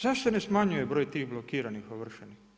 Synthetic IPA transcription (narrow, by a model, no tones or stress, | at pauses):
zaʃt̪anesmaɲujebɾo̞ːjt̪iːɣblˠokiːɾanixoʋr̩ʃeni